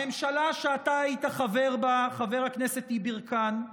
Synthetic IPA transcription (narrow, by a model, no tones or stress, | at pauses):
emʃalaʃeataaitaχave̞ʁbaχaveʁhaknesethibiʁkan